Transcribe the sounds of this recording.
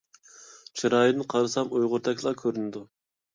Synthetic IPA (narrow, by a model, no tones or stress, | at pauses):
t͡ʃʰiɾɑːjinqʰɑɾɨsɑmujʁʊɾt̪ʰɛkʲlˠɑkʲʰøɾynɪd̪u